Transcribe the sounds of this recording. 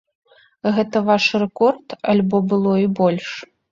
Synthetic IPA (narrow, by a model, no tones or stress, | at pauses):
ɣɛt̪ɐvaʂrɛkɔrt̪ɐlʲbɔbɨlˠɔibɔlʲʂ